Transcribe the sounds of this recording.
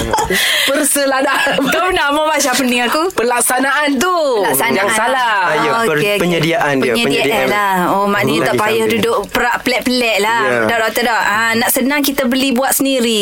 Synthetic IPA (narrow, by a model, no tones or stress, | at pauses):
pərsəlahdakapənamamaʔsapəniŋakupəlaksanaʔant̪̬u | laksanjaŋsalajokəeokpəɲədiaʔanəɲədiadalahomaʔniɲət̪aʔpajahdudʊʔpəɾaʔpəlɛʔpəlɛʔ̚ladɔʔdot̪ədɔhənaʔsənaŋkit̪abəlibuat̪səndiɾi